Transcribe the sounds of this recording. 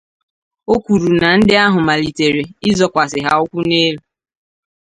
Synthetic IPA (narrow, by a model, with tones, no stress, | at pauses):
o˦kʷu˨ɾu˨na˨n̩˦dɪ˦a˦ɦʊ˨ma˨li˨te˨ɾe˨ɪ˦zɔ˦kʷa˨sɪ˨ɦa̰˨ʊ˦kʷu˦ne˦ɦu˨